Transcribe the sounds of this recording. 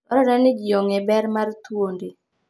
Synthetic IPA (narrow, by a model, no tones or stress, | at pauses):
ɔɾɔɾanɪɡɪjɔŋɛbɛɾmart̪wonde